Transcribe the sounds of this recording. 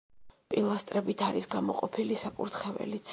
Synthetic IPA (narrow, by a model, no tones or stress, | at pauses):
pʼilˠast̪ʼɾɛbit̪ʰaɾisɡamɔ̰qʼɔpʰilisakʼuɾt̪χɛvɛ̰lit̪sʰ